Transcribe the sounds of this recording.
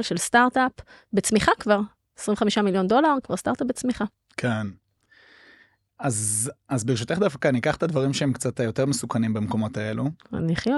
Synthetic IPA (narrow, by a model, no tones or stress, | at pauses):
lʃelst̪aʁtap | bet͡smiχakvaʁ | esʁĩmveamiʃamiljo̞ndo̞laʁkva̰ʁst̪aʁt̪ap̚bet͡smiχa | kʰen | azazbeeʃ̬ut̪eχd̪afkaniikaχt̪advaʁimʃeemkt͡satjoteʁmesukanimbamko̞mo̞tae̞lṵniχjo